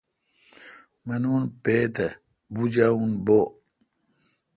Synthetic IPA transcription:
mɐnunpeːt̪ɐ | bud͡ʑaunboː

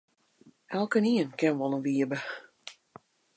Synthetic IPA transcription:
ɛlˠkəniənkɪnʋɔlˠənʋiəbə

